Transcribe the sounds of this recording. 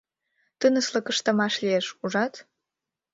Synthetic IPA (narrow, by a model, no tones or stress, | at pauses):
t̪ənə̆slɤkə̆ʃt̪ɑmɑʃlieʃuʒɑt̪